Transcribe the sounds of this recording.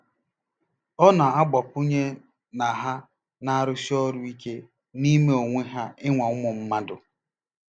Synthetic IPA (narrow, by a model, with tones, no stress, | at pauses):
ɔ˦na˨a˦ɡ͡bɔ˨pu˦ɲe˦ | na˨ɦa˦ | na˦a˦ɾʊ˦si˦ɔ˦ɾʊ˦i˦ke˦ | ni˦me˦o˨ŋʷe˦ɦa˦ɪ˦ŋʷa˨ʊ˦mʊ˨m̩˦ma˦dʊ˨